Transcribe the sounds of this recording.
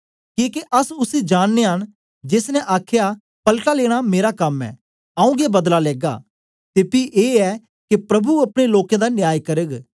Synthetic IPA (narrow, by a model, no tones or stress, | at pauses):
kiːkeʔɐsʊsed͡ʒaːɽːeɦəñ | d͡ʒesnɛʔaːkʰja | pɐlʈaleːɽ̃ameːɾakɐmɛ̰ː | ɐ̃ũɡebɐd̪lalɛːɡa̰ː | t̪eːpiʔeːɛ | kepɾɐbuɐpɽ̃eloːkãd̪anɪjaːjkɐɾəɡ